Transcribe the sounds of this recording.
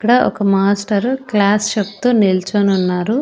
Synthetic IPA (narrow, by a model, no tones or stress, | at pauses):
kːɐɽɐʔɔ̰kɐmaːsʈɐɾklaːsʃɐp̚t̪oːnelt͡ʃonunːaːɾu